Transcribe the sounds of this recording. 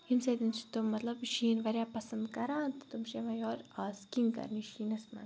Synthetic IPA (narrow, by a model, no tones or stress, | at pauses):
himsed̪int͡ʃʰi̥t̪ommːɐt̪lɐbʃiːnʋɐɾʲjaːpɐsɐnd̪kɐɾaːnt̪t̪umʃemɐ̃joːɾaːskiŋkɐ̰ɾniʃiːnɐsmɐ̰n